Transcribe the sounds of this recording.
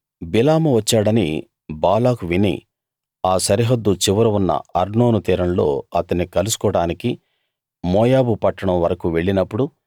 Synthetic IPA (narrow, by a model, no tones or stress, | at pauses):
bilaːmuʋɐt͡ʃːaːɽɐni | baːlaːkuʋinḭ | aːsɐɾiɦɐd̪ːut͡ʃiʋɐɾɐʋunːɐ̰ɐɾno̞ːnut̪iːɾɐnlo̰ːɐt̪ɐnːikɐlusu̥kɔːɽaːniki | mɔːjaːbupɐʈːɐɽɐmʋɐɾɐkuʋe̞ɭːinɐpːuɽu